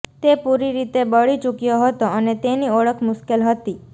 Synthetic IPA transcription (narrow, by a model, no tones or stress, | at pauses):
t̪epuɾiɾit̪ebəɭit͡ʃukjoɦət̪oənet̪eniɔɭəkʰmʊʃkelɦət̪i